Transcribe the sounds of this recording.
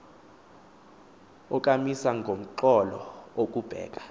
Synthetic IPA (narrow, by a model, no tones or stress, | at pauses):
ɔkʼamisaŋɡʱom̩ǃɔlɔ̰ok̬ʼub̥ʱɛ̰ːk̬ʼḁ